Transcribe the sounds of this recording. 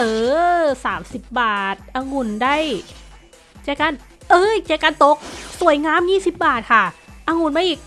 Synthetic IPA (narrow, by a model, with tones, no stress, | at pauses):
ʔɤː˧˦saː˩˦msi˨˩p̚baː˨˩t̪̚ʔaː˧ŋu˧˩nda˥˩j | t͡ɕaː˧˩ka˧˥n | ʔɤː˧t͡ɕa˧˥ka˧nt̪o˧˦˥k̚su˨˩˦ə˦jŋaː˧˥˨mjiː˥˩si˨˩p̚baː˨˩t̪̚kʰa˥˩ʔaː˧ŋu˧˩nma˧˥ʔiː˨˩k̚